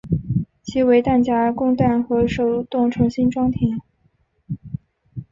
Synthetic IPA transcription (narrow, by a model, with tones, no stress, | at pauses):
t͡ɕʰi˧˥we˧˥ɪt̪a˥˩nt͡ɕja˥kʊ˥˧ŋt̪a˥˩nxɤ˧˥ʂo˨˩ʊt̪ʊ˥˩ŋʈ͡ʂʰɤ˧˥ŋɕi˥nʈ͡ʂwɑ˥ŋt̪ʰɛ˧˥˦n